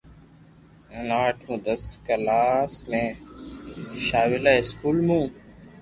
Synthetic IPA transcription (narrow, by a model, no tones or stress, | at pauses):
ənaːʈʰũːd̪əskəlaːsmẽː | ʃaːwɪlaːɪskuːlmũː